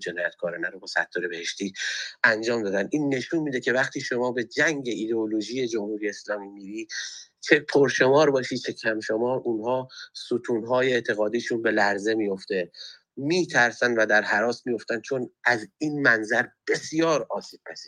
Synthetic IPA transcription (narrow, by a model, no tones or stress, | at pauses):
d͡ʒenɒːjæt̪kʰɒːɾenæɾobɒːsæ̰t̪ʰːoːɾebehe̞ʃt̪iːænd͡ʒɒːmd̪ɒːd̪ænd̪iːnːe̞ʃuːnmiːd̪ecʰe̞væχt̪ʰiːʃo̞mɒːbe̞d͡ʒæŋɟe̞ʔiːd̪eoloʒiːje̞d͡ʒo̞mhuːɾije̞ːslɒːmiːmiːɾiː | t͡ʃʰe̞pʰoɾʃo̞mɒːɾbɒːʃiːt͡ʃʰe̞cʰæmʃomɒːɾʔunhɒːsut̪ʰuːnɦɒːjeet̪ʰe̞ɣɒːd̪iːʃunbe̞læɾze̞mijo̞ft̪e̞ | miːt̪ʰæɾsænd̪væd̪æɾɦæɾɒːsmijo̞ft̪ænd̪t͡ʃʰo̞næziːnmænzæɾb̥e̞sijɒːɾɒːsiːb̥̚pʰæsiː